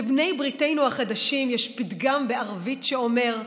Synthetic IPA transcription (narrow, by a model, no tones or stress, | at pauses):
ebne̞jbʁite̞jnuhaχad̪aʃimjɛʃpit̪ɡambe̞aʁvitʃeo̞me̞ʁ